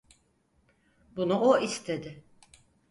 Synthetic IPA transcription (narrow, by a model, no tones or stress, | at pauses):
bunuʔoist̪ʰe̞d̪ɪ